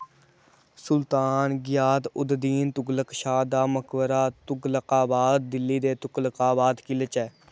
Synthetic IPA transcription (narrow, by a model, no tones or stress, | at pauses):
sʊlt̪aːnɡɪjaːt̪ʊd̪d̪iːnt̪ʊɡləkʃaːd̪aːməkʋəɾaːt̪ʊɡləqaːbaːd̪̚ːɪlːiːd̪eːt̪ʊkləkaːbaːd̪kɪlət͡ʃɛː